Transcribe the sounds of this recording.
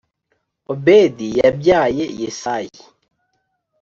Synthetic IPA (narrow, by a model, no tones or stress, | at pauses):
obedijɛbjajejesaji